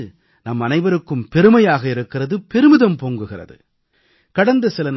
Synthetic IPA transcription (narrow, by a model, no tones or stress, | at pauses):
nɐmɐnɐɪʋɐɾɯkːɯmpɛɾɯmɐjaːɣɐɪɾɯkːɪrɐðɯpɛɾɯmɯðɐmpoːŋɡɯɣɪrɐ̰ðɯ̰ | kɐɽɐnd̪ɐsɪlɐn